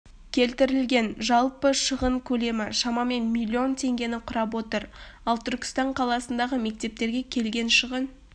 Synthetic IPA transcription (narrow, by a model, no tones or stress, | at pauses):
kʲʰe̞lt̪ɪɾɪlɡʲe̞nʒɑlˠpəʃəʁəɴkʲʰɵle̞mɪʃɑmɑme̞nmʲilʲːio̞nt̪ʰe̞ŋɡʲe̞nɪqʰʊɾɑp̬wo̞t̪əɾɑlˠt̪ʰʏɾkʲɪ̥st̪ɑɴqʰɑlˠɑsənd̪ɑʁəme̞k̚t̪e̞p̚t̪e̞ɾɡʲe̞kʲʰe̞lɡʲe̞nʃəʁən